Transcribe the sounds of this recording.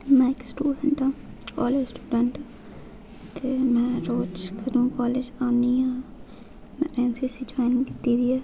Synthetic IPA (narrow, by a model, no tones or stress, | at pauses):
mɛ̃ːɪksʈuːɖəɳʈãː | kɔːleːd͡ʒsʈuːɖəɳʈː | t̪eːmɛ̃ːɾoːt͡ʃkəɾũːkɔːled͡ʒãːnd̪iːɦãː | mɛ̃ːʔɛːnsiːsiːd͡ʒaːɪnɪ̃ŋkɪt̪iːd̪iːɛː